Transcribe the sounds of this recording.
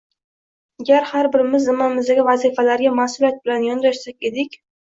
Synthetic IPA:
aɡʲaɾhaɾbɪɾɪmɪznɪmamɪzd̪aɡʲɪvazifalaɾɡʲamasʊliat̪̚bɪlanjɒnɾaʃsakʲe̞d̪ɪkʲ

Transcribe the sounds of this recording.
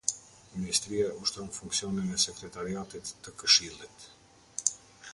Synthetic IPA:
minist̪ɾiauʃt̪ɾɔnfuŋksiɔninɛsɛkɾɛt̪aɾiat̪it̪ːəkəʃilˠit̪

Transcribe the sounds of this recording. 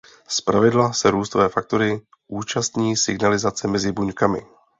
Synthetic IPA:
spɾavɪdlasɛɾuːst̪ovɛːfak̚t̪oɾɪ | ʔuːt͡ʃast̪ɲiːsɪɡnalɪzat͡sɛmɛzɪbuɲkamɪ̰

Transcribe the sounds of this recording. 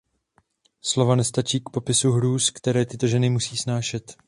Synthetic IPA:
slo̞vanɛst̪at͡ʃiːkpo̞pɪsuɦɾuːskt̪ɛɾɛːt̪ɪt̪o̞ʒɛnɪmusiːsnaːʃɛt̪

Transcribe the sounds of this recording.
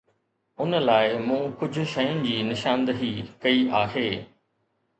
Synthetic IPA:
ʊnlaːɪmũːkʊd͡ʑʱʊ̆ʃɐjʊnɪ̆d͡ʑiːnɪʃãːnd̪əɦikɐiʔaːɦeː

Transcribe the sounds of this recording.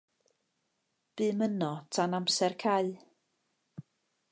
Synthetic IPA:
b̥ɨːmənɔtʰanamsɛrkʰaɨ

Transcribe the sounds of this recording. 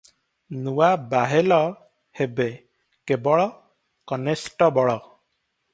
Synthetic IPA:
nuwabaɦelɔ | hebe | kebɔɭɔ | kɔnesʈɔbɔɭɔ

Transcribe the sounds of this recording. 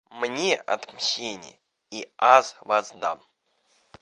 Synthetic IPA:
mnʲeʔɐ̰t̪mɕʲenʲɪ̰jə | iazvazd̪a̰m

